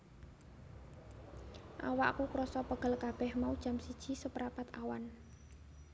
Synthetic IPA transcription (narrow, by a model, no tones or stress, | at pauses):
ʔa̰waʔkukuɾɔsɔpəɡ̥ə̤lkab̥ɛhmaud̥ʒ̥a̤msid̥ʒ̥i̤səpəɾapat̪a̰wan